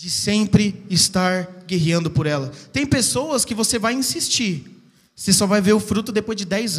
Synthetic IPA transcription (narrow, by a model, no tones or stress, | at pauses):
d͡ʒɪsẽmpɾɪɪst̪aɾɡeɦiɐ̃nd̪ʊpoɾɛlɐt̪ẽj̃pesowɐskɪvosevajĩsist͡ʃiɾ | osesɔvajveɾʊfɾut̪ʊd̪epojzd͡ʒɪd̪ɛjz